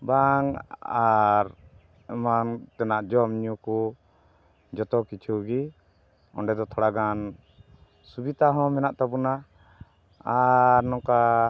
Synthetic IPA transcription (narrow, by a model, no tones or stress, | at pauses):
baŋaɾ | ɛmant̪ɛnaʔd͡ʒɔmɲuku | d͡ʒɔt̪ɔkit͡ʃʰuɡi | ɔ̰ɳɖɛd̪ɔt̪ʰɔɽaɡan | subit̪aɦɔ̃mɛnaʔt̪abuna | aɾnɔ̃ka